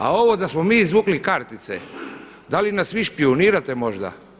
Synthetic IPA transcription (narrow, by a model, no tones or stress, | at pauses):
a̰o̞ʋo̞d̪asmo̞miːizʋuːklikaɾt̪it̪sḛ | d̪alinasʋiʃpioniːɾat̪emo̞ʒd̪a̰